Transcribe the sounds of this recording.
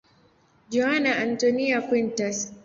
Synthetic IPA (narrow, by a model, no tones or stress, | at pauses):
d͡ʒɔanaʔantɔniakwintɔs